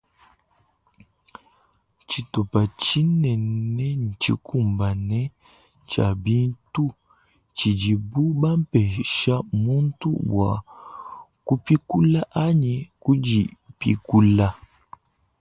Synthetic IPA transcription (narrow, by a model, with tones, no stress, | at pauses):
t͡ʃi˨to˨pa˨t͡ʃi˦nɛ˨nɛ˦n̩˨t͡ʃi˦ku˦˨mba˨nɛ˦ | t͡ʃa̰˨bi˦n˦tu˦ | t͡ʃi˨d͡ʒi˨bu˦ba˦m̩˦pɛ˨ʃa˦mu˦n˦tṵ˦bwa̰˨ | ku˦pi˦ku˦la˦ʔa˦ɲi˨ku˦d͡ʒi˨pḭ˦ku˦la˦